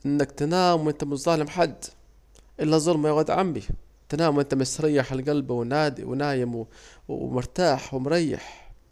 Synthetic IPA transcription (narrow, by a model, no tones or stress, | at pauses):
ʔɪnːakt̪ɪnaːmwʔɪnt̪amʊt̪zˤɑːlɪmħad̪ː | ʔɪlːazˤʊlmajaɣad̪ʕa̰mbi | t̪ɪnaːmwʔɪnt̪amɪsɾˤɑjːaħalɡalbawɪnaːd̪wɪ̰naːjɪmw̰ | mʊɾˤt̪aːħwɪmɾˤɑjːɪ̰ħ